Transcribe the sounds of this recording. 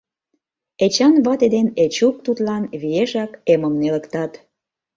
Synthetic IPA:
et͡ɕɑnβɑt̪ed̪enet͡ɕuk̚t̪ut̪lɑnβijeʒɑkeməmnelə̆kt̪ɑt̪

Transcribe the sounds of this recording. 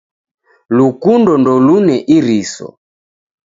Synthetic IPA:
lukundɔndɔlunɛʔiɾisɔ̰

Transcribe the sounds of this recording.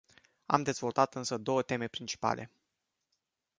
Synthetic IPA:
a̰md̪e̞zvo̞lt̪at̪ɨnsəd̪o̞wət̪e̞me̞pɾint͡ʃi̥pa̰lʔe̞̰

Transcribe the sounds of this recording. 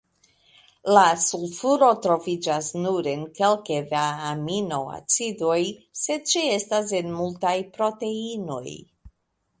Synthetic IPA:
lasulfuɾo̞tɾo̞vid͡ʒasnuɾe̞nke̞lkevaaamino̞a̰t͡sido̞jse̞dt͡ʃie̞stas̬e̞nmultajpɾo̞te̞ino̞̰j

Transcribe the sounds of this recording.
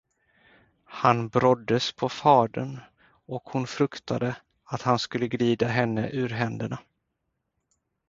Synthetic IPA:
hanbɾɔd̪ːəspʰɔfɑːɖən | ɔkhʊnfɾɵkt̪ʰad̪ə | at̪hanskɵlːəɡɾiːd̪aɦɛnːəʔʉɾɦɛnd̪əɳa

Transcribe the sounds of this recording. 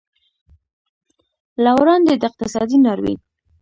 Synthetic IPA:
lawɾɑnd̪ed̪əɪq̚t̪ɪsɑ̰d̪inɑɾwḭn

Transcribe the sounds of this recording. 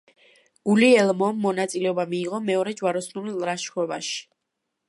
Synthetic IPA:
ɡ̥uliɛlˠmɔmːɔnat̪sʼilɛɔbamiːʁɔmɛɔɾɛd͡ʒwaɾɔsnulilɾaʃɛvaʃi̥

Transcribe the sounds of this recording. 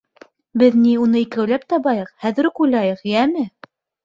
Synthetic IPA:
bɘðniunɤikæwlæp̚t̪ɑβɑjɤqhæðɘ̆ɾɘqujlɑjɤqjæmɘ

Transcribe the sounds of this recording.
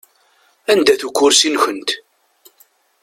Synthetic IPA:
ænd̪æθukʷːʊɾsinçənt̪

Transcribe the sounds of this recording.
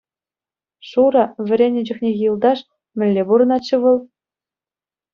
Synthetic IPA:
ʂuɾɑʋʲɘ̆ɾʲenʲɘ̆d͡ʑɘ̆xnʲejʲlˠd̪ɑʂ | mʲɘ̆lʲːebuɾɤ̆nɑt͡ɕːɤ̆ʋɤ̆lˠ

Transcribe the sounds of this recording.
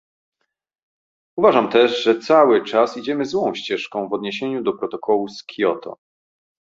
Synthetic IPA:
uvaʐamt̪ɛʐʐɛt̪sawɘt͡ʂasid͡ʑɛmɘzwɔ̃w̃ɕt͡ɕɛʂkɔ̃w̃vɔd̪ɲeɕeɲud̪ɔpɾɔt̪ɔkʰɔwuskʲʰjɔt̪ʰɔ̰

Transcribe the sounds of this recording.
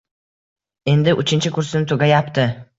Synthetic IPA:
e̞nd̪ɪʔʊt͡ʃʰɪnt͡ʃʰɪkʊɾsɪnɪt̪ʰʊɡʲajapt̪ʰɪ

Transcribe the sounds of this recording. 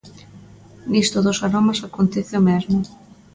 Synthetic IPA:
nist̪ʊðʊsaɾomasakont̪ɛθeomɛzmʊ

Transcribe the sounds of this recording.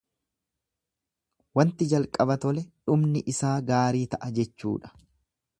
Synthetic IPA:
wɐnt̪ɪd͡ʒɐlkʼɐbɐt̪ɔlɛᶑʊmnɪʔɪsaːɡaːɾiːt̪ɐʔɐd͡ʒɛt͡ʃːṵːᶑɐ̥

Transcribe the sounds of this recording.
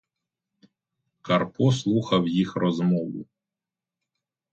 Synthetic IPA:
kɐrpɔslˠuxɐwjixrɔzmɔʋʊ̰

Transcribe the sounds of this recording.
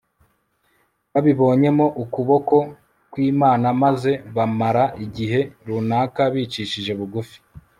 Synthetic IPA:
βaβiβo̞ːɲe̞mo̞ʔukuβo̞ko̞ | kwiːmaːnamaze̞βamaɾaʔiɟiɦe̞ɾunaːkaβiːt͡ʃiʃiʒe̞βuɡufi̥

